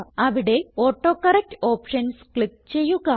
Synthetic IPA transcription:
ɐʋiɽe̞oːʈːo̞ːkɐrɐk̚tɨoːpʂɐnskɭik̚ːt͡ɕe̞jːuɣɐ

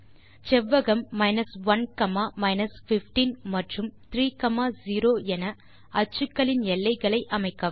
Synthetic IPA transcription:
t͡ʃɛʋːɐɣɐmːɐɪnɐsʋɐnkɐmaːmɐɪnɐsfɪfʈinmɐʈrɯmt̪ɪɾiːkɐmaːziːɾoːɛnɐ | ɐt͡ʃːɯkːɐɭɪnɛlːɐɪɣɐɭɐɪʔɐmɐɪkːɐ

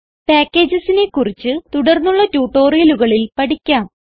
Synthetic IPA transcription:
paːkʲːe̞ːd͡ʑɐsine̞kːurit͡ɕːɨt̪uɽɐrnːuɭːɐtuːʈːo̞ːrijɐluɣɐɭilpɐɽikʲːaːm

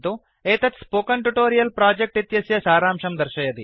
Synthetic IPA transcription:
t̪u | eːt̪ɐt̪spoːkɐɳʈuʈoːɾijɐlpɾaːd͡ʒek̚ʈit̪jɐsjɐsaːɾaːmʂɐmd̪ɐɾʃɐjɐd̪i

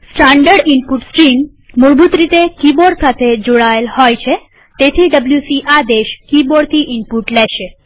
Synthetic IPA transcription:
sʈaɳɖəɖimpuʈskɾin | muɾbut̪ɾit̪ekiboɽsat̪ʰed͡ʒoɭaelhɔjt͡ʃʰe | t̪et̪ʰiɖəbljusiʔad̪eʃkiboɽt̪ʰiʔimpuʈlɛʃe

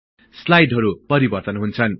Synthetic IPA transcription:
slajɖɦʌɾupʌɾibʌrt̪ʌnɦunt͡sʰʌn

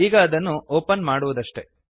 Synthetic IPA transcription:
iːɡɐːd̪ɐnːuʔoːpɐnmaːɽuʋud̪ɐʂʈe̞̰

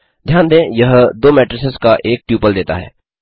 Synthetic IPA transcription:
d̪ʱjaːnd̪ẽːjɐɦd̪oːmɛːʈɾəseskaʔeːk̚pjuːpəld̪eːt̪a̰ɦɛ̰ː

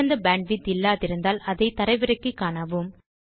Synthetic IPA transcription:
ɐnd̪ɐbaːɳɖʋit̪ɪlːaːðɪɾɯnd̪aːlɐðɐɪt̪ɐɾɐɪʋɯɾɐkːɯkːaːɳɐʋɯm

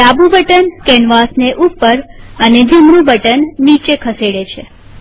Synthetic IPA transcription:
labubəʈənkɛɳʋasneʔupːəɾəned͡ʒumɳũbʱəʈənːit͡ʃekʰəseɽet͡ʃʰe

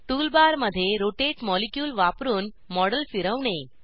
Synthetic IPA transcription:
ʈuːlbaɾməd̪ʱːjeɾoʈeʈmɔlekjuːlʋapɾuːn | mɔɽəlfiɾəʋɳ̃e

